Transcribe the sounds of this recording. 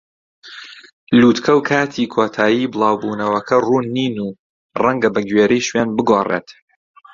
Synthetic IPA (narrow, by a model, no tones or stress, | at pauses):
luːt̪kʰɐwkʰaːt̪ʰiːkʰoːt̪ʰaːjiːbɨlˠaːwbuːnɐwɐkʰɐruːnːiːnuː | rɐŋɡɐbɐɡɥeːɾɛjʃwaːnbɨɡoːrḛːt̪